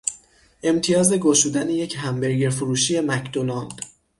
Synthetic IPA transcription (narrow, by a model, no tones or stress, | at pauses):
ʔe̞mt̪ʰijɒːze̞ɡoʃuːd̪æneje̞cʰɦæmbe̞ɾɡeɾfuɾuːʃije̞mæcʰd̪̥onɒnd̪̥